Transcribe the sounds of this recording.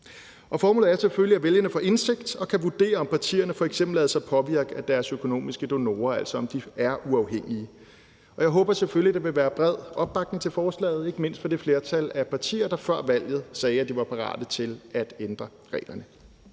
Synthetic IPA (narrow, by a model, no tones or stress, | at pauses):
ʔɒ̽fɒːmo̰ːð̩ˠæɐseføliæʋeljənəfɒ̽ʔe̝nse̝ɡ̥d̥ɒ̽kʰæʋud̥e̝̰ːɐɒ̽mpʰɑ̈t͡sʰḭːɐnəfɒ̽eɡ̥sem̰b̥l̩lɛːðˠsɑɪpʰɒ̽ʋiɐɡ̥əæd̥æɐsøkʰo̝no̝̰ːmisɡ̥əd̥o̝no̝̰ːɐæl̰sɒɒ̽md̥iæɐuɑ̈ʊɦeŋ̰iə | ɒ̽jɑ̈ɪɦɔ̽ːb̥ɐsefølid̥ɑʋe̝ʋæːɐb̥ʁɛð̞̰ˠɒ̽b̥̚ːɑ̈ɡ̥d̥n̩t͡sʰe̝lfɒːslɛ̰ːð̞̩ˠe̝ɡ̥əme̝n̰sd̥fɒ̽d̥e̝fle̝ːɐt͡sʰælæpʰɑ̈t͡sʰḭːɐd̥ɑ̈fɶɐ̰ʋæl̰jð̞̩ˠsɛːæd̥iʋɑ̈pʰɑ̈ʁɑ̰̈ːd̥ət͡sʰe̝læd̥end̥ʁɐ | ʁɛ̰ːlɐnə